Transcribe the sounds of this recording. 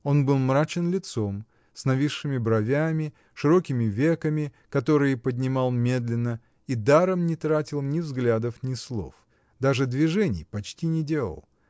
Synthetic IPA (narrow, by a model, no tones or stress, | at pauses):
o̞nbɨlˠmɾat͡ɕɪnlʲɪt̪so̞m | snɐvʲiʂːɨmʲɪbɾɐvʲamʲɪ | ʂɨɾo̞kʲɪmʲɪvʲe̞kəmʲɪ | kɐt̪o̞ɾɨjəpədʲnʲɪmɑlˠmʲe̞d̪lʲɪnːə | id̪aɾəmnʲɪt̪ɾatʲɪlˠnʲɪvzɡlʲad̪əfnʲɪslˠo̞̰f | d̪aʐɨd̪vʲɪʐɛnʲɪ̰jpɐt͡ɕtʲinʲɪdʲe̞lˠə̰lˠ